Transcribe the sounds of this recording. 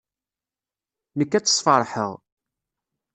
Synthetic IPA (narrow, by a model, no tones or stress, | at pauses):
nəkːæt͡sːə̥sˤfɑɾˤħə̰ʁ